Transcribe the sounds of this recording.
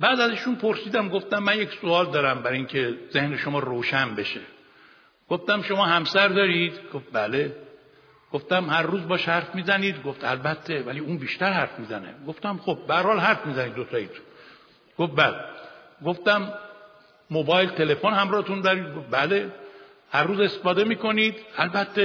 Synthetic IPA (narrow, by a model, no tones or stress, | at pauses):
bæːd̪æziʃunpʰoɾsiːd̪æmɡo̞ft̪æmːænjecsoɒːld̪ɒːɾæmbæɾiŋcʰe̞z̥e̞hneʃomɒːɾoːʃænbe̞ʃe | ɡ̥oft̪æmʃo̞mɒːhæmsæɾd̪ɒːɾid̪ɡ̥of̚bæle | ɡ̥oft̪æmhæɾːuːzbɒːʃhæɾfmiːzæniːd̪ɡo̞ft̪ælbæt̪ʰːevæliːuːnbiːʃt̪æɾhæɾfmiːzænḛɡoft̪æmxob̚behæɾhɒːlɦæɾfmiːzæniːd̪ːot̪ʰɒːjit̪ʰu̥n | ɡ̥ofbæleɡo̞ft̪æmː | obɒːjlt̪ʰe̞le̞fonhæmɾɒːhet̪und̪ɒːɾiːd̪ɡofbæle̞ | hæɾruːze̞st̪efɒːd̪e̞miːkʰo̞niːd̪ælbæt̪ʰːe